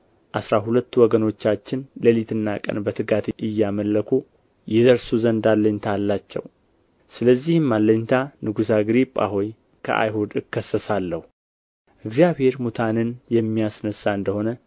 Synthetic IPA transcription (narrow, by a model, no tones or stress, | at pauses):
ʔasɾaɦulət̪ːwɔɡəno̞t͡ʃːat͡ʃːɪnləlit̪ʰɨnːakʼə̰nbət̪ʰɨɡat̪ʔɨjːaməlːəkʰu | jɛzəɾsuzənd̪alːəɲt̪ʰalːat͡ʃːɛ̰w | sɨləzːihmːalːəɲt̪ʰanɨɡusaɡɨɾipʼa̰ɦoj | kʰə̰ʔa̰jɦud̪ɨkʰːəsːəsalːəhu | ʔɨɡzijaβhe̞ɾmut̪ʰanɨnjɛmːijasnəsːaɨnd̪əho̞nə